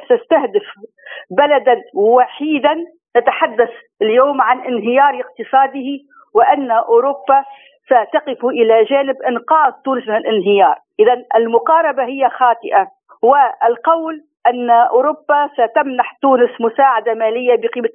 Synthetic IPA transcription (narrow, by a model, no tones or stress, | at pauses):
sast̪ahd̪ɪf | balad̪anwaħiːd̪anː | at̪aħad̪ːaθ | ɪljoːmʕanʔɪnɦɪjɑːɾˤɪq̚t̪ɨsˤɑːd̪ɪhi | wɪʔanːaʔʊːɾʊbːa | sat̪ɑqɪfuʔɪlaʒaːnɪbʔɪnqɑːd̪̚ˤt̪ːuːnɪsmɪnɪlʔɪnɦɪjɑːɾˤʔɪðanɪlmʊqɑːɾˤɑbahɪjːaxɑːt̪ˤɪʔa | wɪɪlqɑwl | ʔanːaʔʊːɾʊbːasat̪amnaħt̪uːnɪsmʊsaːʕad̪amaːlɪjːabɪqiːma